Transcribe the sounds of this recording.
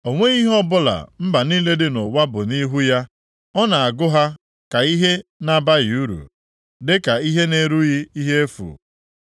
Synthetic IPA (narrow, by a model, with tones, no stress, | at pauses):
o˨ŋʷe˦i˦ɦɔ˦bʊ˦la̰˨m̩˦ba˨niː˦le˦dɪ˦nʊ˨wa˦bʊ˨ni˦ɦu˦ja˦ | ɔ˦na˨a˨ɡʊ˦ɦa˦ | ka˨i˦ɦe˦na˦ba˦ɣɪ˨u˦ɾṵ˨ | dɪ˦ka˨i˦ɦe˦ne˦ɾu˦ɣɪ˦i˦ɦe˦e˦fṵ˨